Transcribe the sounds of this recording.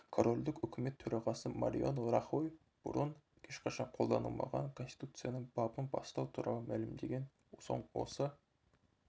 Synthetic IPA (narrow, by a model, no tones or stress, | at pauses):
kʰoɾo̞lʲd̪ɪkʲʏkʲʰɪme̞t̪ʰːɵɾɑʁɑsəmɑ̰ɾʲḭanoɾɑχoj | b̥ʊ̰ɾənʰ | eʃqʰɑʃɑɴqʰo̞lˠd̪ɑnṵlˠmɑ̰ʁɑŋkʰo̞nst̪i̥t̪ʰut̪sɨjɑnəŋbɑpənbɑst̪ɑwt̪ʰuɾɑ̰lˠəmælɪmd̪e̞ɡʲen | so̞̰ɴwo̞̰sə